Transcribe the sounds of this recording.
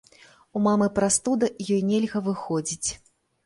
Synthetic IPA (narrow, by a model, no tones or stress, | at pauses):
umamɨpɾast̪ud̪ɐjɔjnʲɛlʲɣɐvɨxɔd͡zʲit͡sʲ